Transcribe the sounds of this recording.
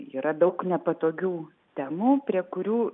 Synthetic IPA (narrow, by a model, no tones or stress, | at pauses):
iːɾɐd̪ɐʊknʲɛpɐt̪oːɡʲuː | t̪ʲæːmuːpʲɾʲiɛkʊɾʲuː